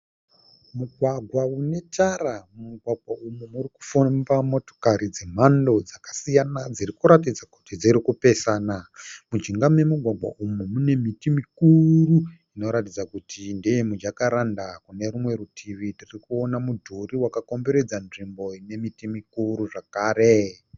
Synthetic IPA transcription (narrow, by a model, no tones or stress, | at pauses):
muɡʱwaɡʱwaune̞tʰaɾammuɡʱwaɡʱwaumumuriku̥fumbamo̞to̥kaɾid͡ze̞m̤ando̞d͡zakḁsijanad͡zirikuɾatid͡zaku̥tid͡ziɾikupe̞sanamud͡ʒiŋɡame̞muɡʱwaɡʱwa̰ʔumumune̞mitimikuru | ino̞ɾatid͡zakutʰindejemud͡ʒakaɾandakune̞ɾumwe̞ɾutʰiʋitirikuo̞namudʱuriwakako̞mbe̞ɾe̞d͡zanʐimbo̞ine̞mitimikuɾuʐakaːɾe̞